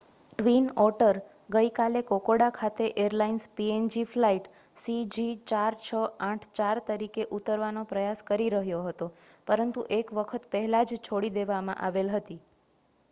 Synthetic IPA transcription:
ʈʋinɔɾʈəɾ | ɡəjkalekokoɽakʰat̪eʔeɾlainspiend͡ʒiflaiʈ | sid͡ʒit͡ʃaɾt͡ʃʰəãʈʰt͡ʃaɾt̪əɾikeʔut̪əɾʋanopɾəjaskəɾiɾəɦjoɦət̪opəɾənt̪uʔekʋəkʰət̪pəɦɛlad͡ʒt͡ʃʰoɽid̪eʋamã̰ʔaʋelɦət̪i

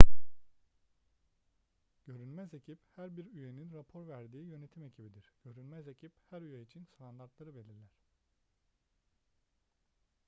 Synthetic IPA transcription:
ɟ̥ø̞ɾynmæze̞cʰiphæɾbiɾyje̞ninɾapʰo̞ɾvæɾd̪iːjø̞ne̞t̪ʰime̞cʰibid̪iɾ̥ɟ̥ø̞ɾynmæze̞cʰiphæɾyjeit͡ʃʰinst̪ʰand̪aɾt̪lˠaɾɯbe̞lʲiɾlʲæɾ̥

